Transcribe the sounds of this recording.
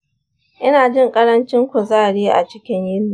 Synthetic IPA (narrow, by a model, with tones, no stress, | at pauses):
ʔɪ˦naː˨d͡ʒɪ˦˨ŋkʼɐ˦ɾɐ˦nt͡ʃɪ˦ŋkʷʊ˨zaː˦˨ɽeː˦ʔa̰˨t͡ʃɪ˦kʲɪ˦ɲjɪ˦nːi˨